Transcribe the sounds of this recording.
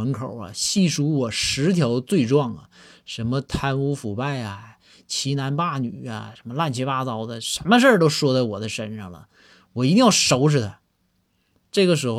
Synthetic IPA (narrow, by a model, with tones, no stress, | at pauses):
ə˧˥nkʰo̰˨˩ʊlɐ̰˦ɕi˥˩ʂu˧˥wɔ˨˩ʂɻ̩˧˥t̪ʰjɑ˧˥ʊt͡swe˥˧ɪʈ͡ʂwɑ˥˩ŋɐ̰˩ʂə˧˥nmə˧t̪ʰa˥nu˧˥fu˨˩pa˥˩ɪɐ˩ | t͡ɕʰi˧˥na˧˥npa˥˩ny˨˩ɐ̰˦˩ʂə˧˥nmə˧la˥˩nt͡ɕʰi˧˥pa˥˩t͡sɑ˧˥ʊd̪ə˧ʂə˧˥nmə˧ʂ̬ə˞˥˩t̪o˥ʊʂwɔ˥t͡sa˥˩ɪwɔ˨˩d̪ə˦ʂə˥nʂɑ˥˩ŋlə̰˩ | wɔ˨˩i˧˥t̪i˥˧ŋjɑ˥˩ʊʂo˧˥ʊʂʰɻ̩˥˩t̪ʰa˧˥ | ʈ͡ʂɤ˥˩ɡə˩ʂ̬ɻ̩˧˥xo˧